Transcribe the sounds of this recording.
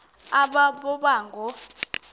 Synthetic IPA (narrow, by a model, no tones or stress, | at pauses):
aɓaɓɔɓaːŋɡʱɔ